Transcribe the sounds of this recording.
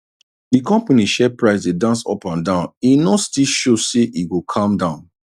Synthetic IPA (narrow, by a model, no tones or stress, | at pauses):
dikɔ̃mpaniʃɛpɹaɪsdedãnsɔ̰pãndãʊ̃ninɔtstilʃoseʔiɡukʰãmdãʊ̃n